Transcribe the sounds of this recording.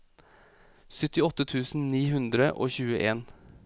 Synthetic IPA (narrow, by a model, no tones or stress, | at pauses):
sʏt̪ɪɔt̪ːət̪ʰʉːsn̩niːɦʉnd̪ɾəʔo̰ːçʉːəʔeːn